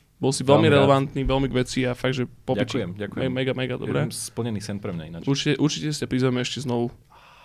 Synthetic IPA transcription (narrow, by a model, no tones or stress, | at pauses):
bɔlsiʋɛlmiɾɛlɛʋant̪niːʋɛlmiɡʋɛt͡siafaɡ̚ʒɛpɔɛt͡ʃɛmɟakkːɛmɛɡamɛɡad̪ɔ̰bɾɛmspl̩ɲɛniːsɛnpɾɛmɲa̰ḭnaʔuɾt͡ʃicɛʔuɾt͡ʃicɛsi̥capɾizʋɛmɛɛʃcɛznɔʋu